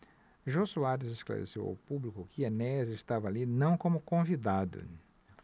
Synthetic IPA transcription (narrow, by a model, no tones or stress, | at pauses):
ʒosuaɾɪzeskla̰ɾḛsḛwa̰wpublikʊkɪenɛzest̪avɐalinɐ̃w̃kõmʊkõvid̪ad̪ʊ̰